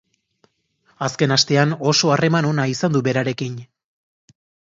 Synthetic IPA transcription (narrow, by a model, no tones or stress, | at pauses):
aske̞nast̪e̞ano̞so̞are̞mano̞naisand̪uβe̞ɾaɾe̞kin